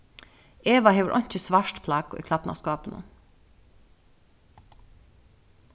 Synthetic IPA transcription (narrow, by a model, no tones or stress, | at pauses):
eːʋɑheːʋəɾʔɔ̰nt͡ʃəsʋɑʃʈpʰlɑːɡo̰ːḭːkʰlɑpnɑ̰ːskɑːpən̩ṵ